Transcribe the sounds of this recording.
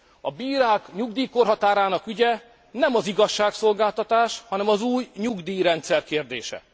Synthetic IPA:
ɒbiːɾaːkɲuɡ̚d̪iːkorɦɒt̪aːɾaːnɒkyɟɛ | nɛmɒziɡɒʃːaːkso̞lɡaːlt̪ɒt̪aːʃhɒnɛmɒzuːjɲuɡd̪iːɾɛnt̪sɛrkeːrd̪eːʃɛ̰

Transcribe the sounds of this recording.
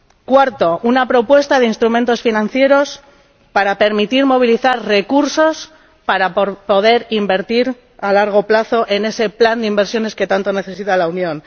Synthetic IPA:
kwaɾt̪o̞ʔunapɾo̞pwe̞st̪aðe̞inst̪ɾument̪o̞sfinãn̟θje̞ɾo̞s | paɾape̞ɾmit̪iɾmo̞β̞iliθaɾre̞kuɾso̞s | paɾapo̞ðe̞ɾimbe̞ɾt̪iɾ | alaɾɣ̞o̞plaθo̞ʔe̞ne̞se̞pland̪eimbe̞ɾsjo̞ne̞ske̞t̪ant̪o̞ne̞θe̞sit̪alaunjõ̞n

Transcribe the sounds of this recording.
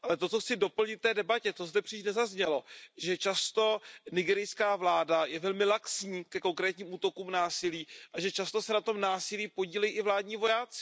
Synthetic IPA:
ʔalɛt̪o̞tt͡soxt͡sɪdo̞pl̩ɲɪt̪ft̪ɛːdɛbacɛt̪ozdɛpr̥iːʃnɛzazɲɛlo̞ʒɛt͡ʃast̪o̞nɪɡɛɾɪjskaːvlaːdajɛvɛlmɪlaksɲiːkɛko̞ŋkɾɛːt̪ɲiːmuːt̪o̞kuːmnaːsɪliːʔaʒɛt͡ʃast̪osɛnat̪o̞mnaːsɪliːpo̞ɟiːlɛjiːʔɪvlaːdɲiːvo̞jaːt͡sɪ̥

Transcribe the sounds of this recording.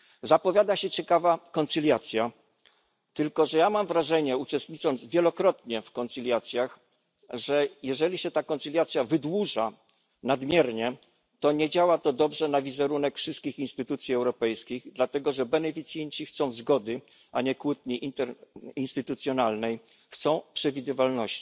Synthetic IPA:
zapɔvʲjad̪aɕɛt͡ɕɛkavakɔnt̪silʲjat̪sʲja | t̪ɘlkɔʐɛjamamvɾaʐɛɲɛut͡ʂɛst̪ɲitt͡ʂɔnd̪zvʲjɛlɔkɾɔt̪̚ɲɛfkɔnt̪silʲjat̪sʲjax | ʐɛjɛʐɛlʲiɕɛt̪akɔnt̪silʲjat̪sʲjavɘd̪wuʐa | nad̪mʲjɛɾɲɛ | t̪ɔɲɛd͡ʑawat̪ɔd̪ɔbʐɛnavʲizɛɾunɛkfʂɘst̪̚kʲixinst̪ɘt̪ut̪sʲjiɛwɾɔpɛjskʲiɣd̪lat̪ɛɡɔʐɛbɛnɛfʲit̪sʲjɛɲt͡ɕixt̪sɔ̃w̃zɡɔd̪ɘ | ʔaɲɛkwut̪̚ɲiʔiinst̪ɘt̪ut̪sʲjɔnalnɛj | xt̪sɔ̃w̃pʂɛvʲid̪ɘvalnɔɕt͡ɕi̥

